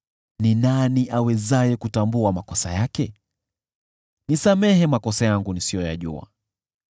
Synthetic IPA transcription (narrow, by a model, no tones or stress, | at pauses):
ninaniʔawɛzajɛkutambuamakɔsa̰jakɛ | nisamɛɦɛmakɔsajaŋɡunisijɔja̰ʄṵa̰